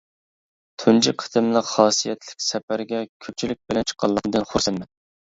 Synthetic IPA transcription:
t̪ʰund͡ʒɪqʰə̥t̪ʰɨmlˠəqχɑːsijɛt̪ʰlɪ̥kʲsɛpæɾɡʲɛkʲʰøp̚t͡ʃʰilɪk̚ʲbɪlɛnt͡ʃʰqʰːɑlˠːɑnd̪ɨnχʊɾsɛnmɛn

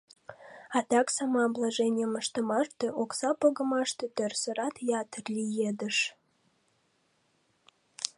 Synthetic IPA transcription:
ɑt̪ɑksɑmɑblˠɑʒenʲiəməʃt̪ə̆mɑʃt̪ĕʔoksɑpoɣə̆mɑʃt̪et̪ørsə̆ɾɑt̪jɑt̪ərlʲijed̪əʃ

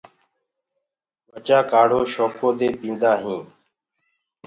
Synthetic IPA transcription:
ʋət͡ʃaːkaːɽ̤oːʃoːkoːd̪eːpĩːnd̪aːɦĩː

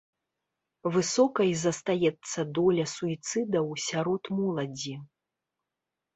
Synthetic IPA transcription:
vɨsɔkɐjzɐst̪ajɛt̪sːɐd̪ɔlʲɐsuit̪sɨd̪ɐwsʲaɾɔt̪mɔlˠɐd͡zʲi

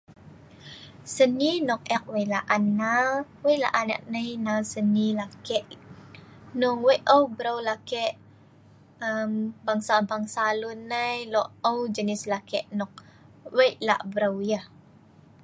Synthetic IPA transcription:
səninɔk̚ɛk̚wəjlaʔanawəjʔla̰ʔana̰ʔ̚nəjnawsənilakɛʔ | nɔŋwəjʔəwbəɾawlakɛʔ | əmbaŋsabaŋsalunːajlɔʔəwd͡ʒənislakɛʔnɔk̚ | wəjʔla̰ʔbəɾawjəh

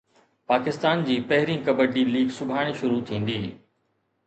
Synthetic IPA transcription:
paːkɪst̪aːnd͡ʑiːpɐɦɪɾĩkɐbəɖiːliːɡsʊbʱaːɽ̃iʃʊɾut̪ʰĩːn̆d̪iː

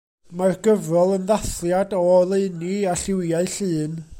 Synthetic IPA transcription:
marɡəvrɔlˠənðaθljadɔlˠeɨniaɬɪwjaɨɬɨːn

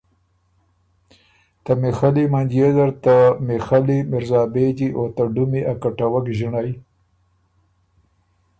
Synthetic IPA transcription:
t̪amexalimand͡ʒjezaɾt̪amexalimɪɾzɑːbed͡ʒiʔot̪aɖumiʔakaʈawakʒɪɳaj

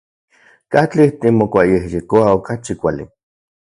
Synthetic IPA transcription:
kat͡ɬiht̪imokʷajehjekoaokat͡ʃikʷalḭ

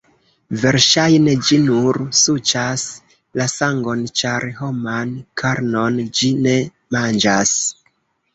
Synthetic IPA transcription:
ve̞ɾʃajne̞d͡ʒinuɾsut͡ʃas | lasaŋɡo̞nt͡ʃaɾɦo̞mankʰaɾno̞nd͡ʒine̞ | mand͡ʒas

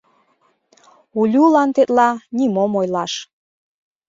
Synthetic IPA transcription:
ulʲulɑnt̪et̪lɑnimomojlɑʃ

